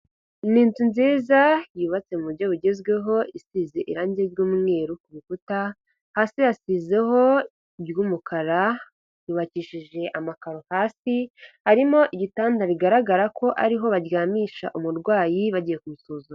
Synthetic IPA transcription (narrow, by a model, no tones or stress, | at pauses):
niːntunziːzajuːβat͡se̞muβuɾɟo̞βuɟe̞zɡwe̞ɦo̞isize̞ʔḭɾaːɲɟejuːmŋe̞ːɾukuβikuta | haːsijasize̞ɦo̞ | bjuːmukʰaɾa | juːβaciːʃiʒe̞ʔamakaɾohaːsihaɾimo̞ʔiɟitaːndaβiɡaɾaɡaɾakʰo̞ʔa̰ɾiɦo̞βaɾɡaːmiːʃa̰ʔumuɾɡwaːjiβaɟije̞kumusoːzuɾ